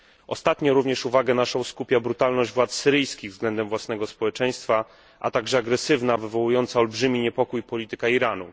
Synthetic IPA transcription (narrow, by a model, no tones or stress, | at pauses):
ʔɔst̪at̪ɲɔ̃ɾuvɲɛʂuvaɡɛnaʂɔ̃w̃skupʲjabɾut̪alnɔʑd͡ʑvwat̪sːɘɾɘjskʲiɣvzɡlɛnd̪ɛmvwasn̪ɛɡɔspɔwɛt͡ʂɛj̃st̪fa | ʔa̰t̪aɡʐɛaɡɾɛsɘvnavɘvɔwujɔnt̪saɔlbʐɘmʲiɲɛpɔkujpɔlʲit̪ɘkaiɾanu